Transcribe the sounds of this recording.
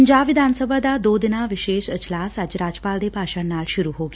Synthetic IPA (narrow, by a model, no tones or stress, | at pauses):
ɲd͡ʑaʋid̪ʱansəbʱad̪ad̪od̪naʋiɕeʃəd͡ʑlasad͡ʑɾad͡ʑəpald̪epaɕəɳnːalɕuɾuɦoɡ